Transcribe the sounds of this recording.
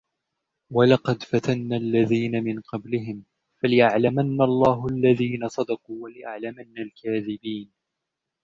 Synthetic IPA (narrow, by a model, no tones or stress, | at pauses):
walɑqɑd̪fat̪anːaːlːaðiːnamɪnqɑblɪɦɪm | falɪʔaʕlamanːalˤːɑːɦʊalːaðiːnasˤɑd̪ɑquːwalɪʔaʕlamanːalkaːðɪbiːn